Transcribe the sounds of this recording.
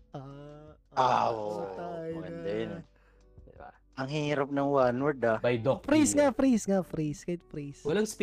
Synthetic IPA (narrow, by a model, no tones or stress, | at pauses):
ʔa | ʔaoajɛnd̪ɛn | d̪ɪba̰ | ʔɐŋɦiːɾɐp̚nɐŋwanɛɾd̪abɐjd̪ofɾiːsŋɐfɾiːsŋɐfɾiːskɐhɪt̪̚fɾiːswɐlɐŋsp